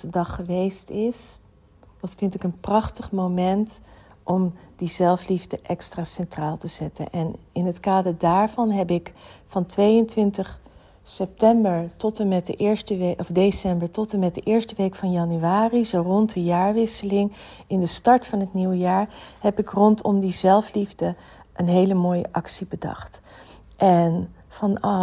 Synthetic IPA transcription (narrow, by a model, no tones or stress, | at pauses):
ədɑχːəʋejstɪs | d̥ɑtfɪntɪkənprɑχtəχmomɛnt | ʔɔmdizɛlˠflivdəʔɛkstraːsɛntraːlˠtəz̥ɛtə̰nʔɛnɪnɦətkaːdəɹdaːɹvɑnɦɛpɪkfɑntʋejəntʋɪntəχ | sɛp̚tɛmbəɹtɔtəmɛt̚dəʔɪɹstəʋeʔɔfdesɛmbəɹtɔtəmɛt̚dəʔɪːɹstəʋejkfɑnjɑnyaːrizowrɔntdəjaːɹʋɪsəlɪŋɪndəstɑɹtfɑnɦətniwəjaːɹɦɛpɪkrɔntʰɔmdizɛlˠflivdə | ʔənɦejləmoːjə̰ʔɑksibədɑ̰χt | ʔɛn | fɑnɑ